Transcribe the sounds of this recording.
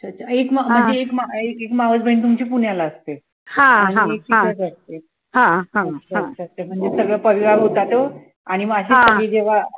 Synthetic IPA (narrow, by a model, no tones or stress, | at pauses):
t͡ɕʰat͡ɕaekmm̤ə̃ɳd͡zeːkmaekekmaʋət͡sbʱent̪̬umt͡ɕepuɳjalaəst̪e | hãm̤əñeek̚t͡ɕitəd͡zast̪e | ɦãat͡ɕʰat͡ɕʰast̪em̤əɳd͡zesəɡɭəpəʋiʋaɡɦot̪at̪o | aɽ̃imaɕesəɡɭed͡ʑeʋa